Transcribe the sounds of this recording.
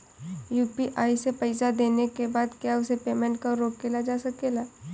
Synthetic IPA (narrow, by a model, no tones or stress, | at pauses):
juːpiʔaːisepɐɪsad̪eːnekebaːd̪kjaʊsepeːmɛ̃ɳʈ̚kaɾoːkːelad͡ʒaːsɐkeːlaː